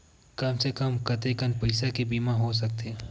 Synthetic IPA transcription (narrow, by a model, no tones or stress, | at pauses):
kɐmsekəmkɐt̪ekənpɐɪsakebiːmãɦos̬ɐk̚t̪e